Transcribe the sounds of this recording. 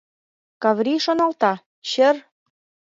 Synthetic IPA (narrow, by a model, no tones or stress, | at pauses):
kɑvɾiʃonɑlt̪ɑ | ɕɘ̆r